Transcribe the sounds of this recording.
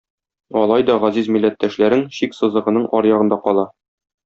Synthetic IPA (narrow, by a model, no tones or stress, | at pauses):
ɒlˠɑjd̪ɒʁæzizmilːæt̪ːæʃlæɾɘŋɕiksɤ̆zˠɤ̆ʁɤ̆nɤɴʔɒɾjɒʁɤ̆nd̪ɑqɒlˠɑ